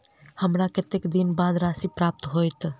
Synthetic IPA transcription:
həmɾakɪt̪ekd̪inbaːd̪ɾaːsipɾaːp̚t̪ɦojt̪

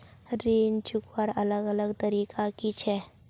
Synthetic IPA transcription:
ɾiːnt͡ʃʊkwəɾɐləɡələɡt̪əɾiːkʰakit͡ʃʰɛː

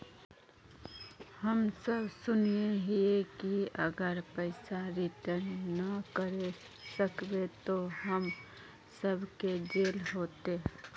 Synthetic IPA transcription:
hɐmsəbsʊneɦiekiɐɡəɾpəɪsaɾɪʈəɾnːəkəɾe | səkbet̪oɦəm | səbked͡ʒeːlɦoːt̪eː

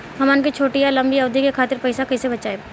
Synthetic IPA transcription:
ɦɐmaːnkit͡ʃʰoːʈijalɐ̃mbiɐʋd̪ʱikekʰaːt̪ɪɾpɐɪsakɐisebɐt͡ʃaːe

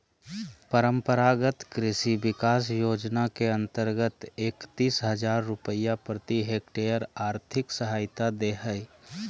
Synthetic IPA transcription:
pəɾəmpəɾaɡət̪kɾɪsibɪkasjod͡ʒnakeənt̪əɾɡət̪ekt̪isɦəd͡ʒaɾːupəjapɾət̪iɦekʈejəɾaːɾt̪ʰɪksəɦaɪt̪ad̪eɦəɪ

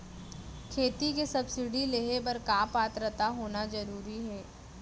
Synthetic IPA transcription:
kʰeːt̪ik̬esɐbsɪɖileɦepɐɾkaːpaːt̪ɾət̪aɦoːnazɐɾuːɾiɦɛː

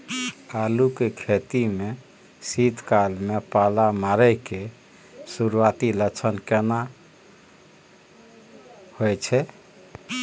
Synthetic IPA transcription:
alukekʰet̪ime | sit̪kalmepalamaɾɛjke | suɾuat̪ilət͡ʃʰənkena | hojt͡ʃʰɛ

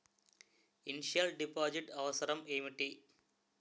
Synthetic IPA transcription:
inʂɐlɖipːoːd͡ʑiʈɐʋɐsɐɾɐmeːmiʈːi

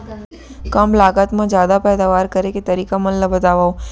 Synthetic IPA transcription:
kəmlaːɡət̪mãd͡ʒjaːd̪apɛːd̪aʋaɾkəɾeket̪əɾikamə̃nləbət̪aʋaõ

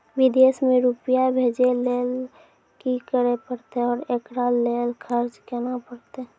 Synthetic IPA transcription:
wɪd̪esmẽɾupjabʱeːd͡ʒeleːl | kikəɾepəɽt̪eɔːɾeːkɾaleːlkʰəɾd͡ʒkɛnapəɽt̪e

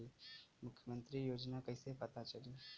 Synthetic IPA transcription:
lemʊkʰːjəmə̃nt̪ɾijoːd͡ʒnakɐɦisepɐt̪at͡ʃɐli

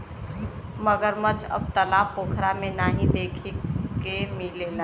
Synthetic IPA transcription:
məɡəɾmət͡ʃə̰b̚t̪əlaːpoːkʰɾamenaːɦid̪eːkʰekemilena

